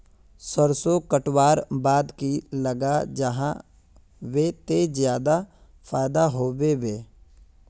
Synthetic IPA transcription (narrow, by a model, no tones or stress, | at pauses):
səɾsokəʈwaːɾbaːd̪kiləɡad͡ʒəɦã̰ | ʋet̪ezjaːd̪a | fʰaːjd̪aɦoːweʋeː